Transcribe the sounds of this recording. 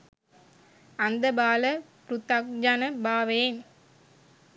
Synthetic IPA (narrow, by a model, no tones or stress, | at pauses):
ɐnd̪ɐbaːlɐpɾʊt̪ːak̚d͡ʒanɐbaːʋeːn